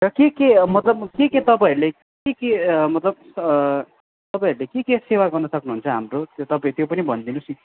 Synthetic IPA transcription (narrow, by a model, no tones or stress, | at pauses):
rʌkekemʌt̪lʌb̚keket̪ʌpãiɾule | kekemʌt̪lʌb̚ | ʌ | t̪ʌpaĩɾulekekesewaɡʌrnʌsʌknuɦunt͡sʰʌɦamrot̪ot̪ʌpat̪jopʌnibʱʌnd̪inusi